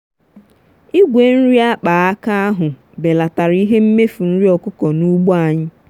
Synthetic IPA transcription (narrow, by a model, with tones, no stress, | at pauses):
i˦ɡʷe˨˦n̩˦ɾi˦a˦k͡paː˨a˦ka˦a˦ɦʊ˨ | be˨la˨ta˨ɾi˦ɦe˦m̩˦me˦fu˨n̩˦ɾi˦ɔ˨kʊ˦kɔ˨nu˦ɡ͡bo˦a˨ɲɪ˦